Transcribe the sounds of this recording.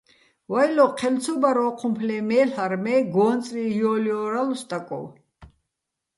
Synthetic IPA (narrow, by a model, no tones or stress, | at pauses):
wajlɔqʰɛlt͡sʰɔbaɾɔːqʰumpʰlɛmɛːɬaɾmɛɡɔːnt͡sʼlijɔːljɔɾalɔst̪ʼakʼɔ̰w